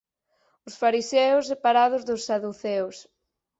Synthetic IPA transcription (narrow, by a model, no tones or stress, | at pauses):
ʊsfaɾisɛʊsːepaɾað̞ʊzðʊsːaðuθɛws